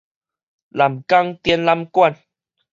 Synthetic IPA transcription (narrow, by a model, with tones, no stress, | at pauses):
la˨˩mka˦ŋt̪jɛ˧nla˦mkwa˥˨n